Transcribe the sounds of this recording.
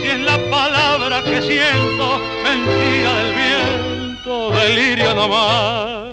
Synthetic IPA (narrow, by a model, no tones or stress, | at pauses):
jenlapalaβɾake̞sjent̪o | mẽnt̪iɾaðe̞lβjent̪oðeliɾjonoma